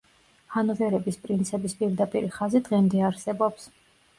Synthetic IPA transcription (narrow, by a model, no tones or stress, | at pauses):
χanɔvɛɾɛbispʼɾint̪sʰɛbispʼiɾd̪apʼḭɾiχazid̪ʁɛmd̪ɛaɾsɛbɔps